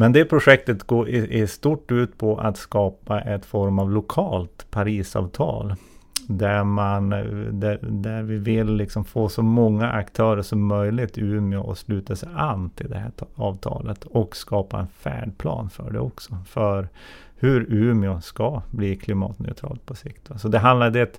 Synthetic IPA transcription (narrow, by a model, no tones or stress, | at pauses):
mɛnd̪ɛpʰɾʊʂɛk̚t̪ət̪ɡoːɾʔɛʂt̪uʈːʉ̟ːt̪pʰɔʔat̪skɑːpaʔɛt̪fɔɾmavlʊkʰɑːlt̪pʰaɾiːsɑ̰ːvt̪ʰɑ̰ːld̪æɾmand̪æd̪æɾvɪvɪlːɪksɔmfoːsɔmɔŋːaʔakt̪ʰœːɾəʂɔmːœjlɪt̪ʉ̟ːmɪʊʔɔslʉːt̪asɛjanːt̪ʰɪld̪ɛhæɑːvt̪ʰɑ̰ːlət̪ɔkskɑːpa̰ɛ̰nfæ̰ːɖpʰlɑ̰ːnfœ̰ɖɛ̰ɔksɔfœɾ | hɵɾʉːmɪʊskabliːkʰlɪmɑ̰ːt̪nœ̰ʏt̪ʰɾɑ̰ːlt̪̚pʰɔsɪkt̪vasɔd̪ɛɦand̪lad̪ɛt̪